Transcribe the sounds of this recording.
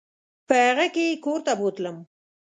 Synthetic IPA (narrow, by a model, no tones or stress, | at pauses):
pəhaɣakekoɾt̪abot̪ləm